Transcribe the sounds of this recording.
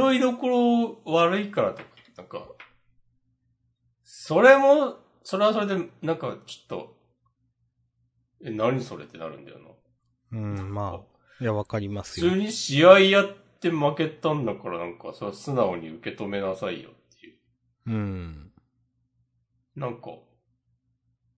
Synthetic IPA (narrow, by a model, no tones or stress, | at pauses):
o̞id̪o̞ko̞ɾo̞βaɾɯ̟ikaɾat̪o̞kḁnãŋka̰ | so̞ɾe̞mo̞ | so̞ɾe̞aso̞ɾe̞d̪e̞nãŋkat͡ɕo̥t̪ːo̞̰ | enaɲ̟iso̞ɾe̞̰t̪ːena̰ɾɯ̟̃nd̪a̰jo̰nã | nãŋmaa | jaβakaɾʲimasɨːɲ̟iɕiaijat̪ːe̞make̞t̪ãnːakaɾanãŋka̰soosɨnaoɲ̟iɯ̟ke̞t̪o̞me̞nasaḭjo̰t̪ːe̞jɯ | ɯ̃ɴ | nãŋka̰